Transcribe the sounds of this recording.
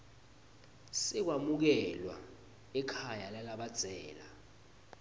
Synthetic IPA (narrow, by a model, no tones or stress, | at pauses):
sɛk̬wamuk̬ɛlwa̰ | ɛkʰajalalaɓad̥z̥ʱɛːla